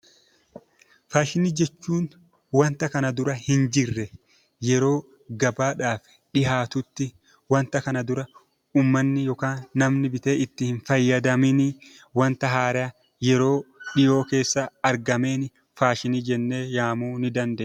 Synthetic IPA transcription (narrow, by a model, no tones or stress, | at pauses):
faːʃɪniːd͡ʒɛt͡ʃːuːn | wɐnt̪ɐkɐnɐd̪ʊɾɐhɪnd͡ʒɪrːɛ | jɛɾo̞ː | ɡɐbaːᶑaːf | ᶑɪhaːt̪ʊt̪ːɪ | wɐnt̪ɐkɐnɐd̪ʊɾɐ | uːmːɐnːɪjɔkaːnːɐmnɪbɪt̪e̞ːʔɪt̪ːɪhɪnfɐjːɐd̪ɐmɪnɪ | wɐnt̪ɐɦaːɾɐ | jɛɾo̞ːᶑɪjo̞ːke̞ːsːɐɐɾɡɐme̞ːnɪ | faːʃɪniːd͡ʒɛnːe̞ːjaːmuːnɪd̪ɐnd̪eː